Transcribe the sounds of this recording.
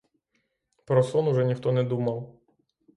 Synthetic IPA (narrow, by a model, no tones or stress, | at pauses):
pɾɔsɔnʊʒɛnʲixt̪ɔnɛd̪umɐw